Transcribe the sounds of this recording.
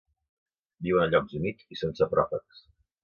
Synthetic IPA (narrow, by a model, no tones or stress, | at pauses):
biwənəʎɔkzumitisensəpɾɔfəks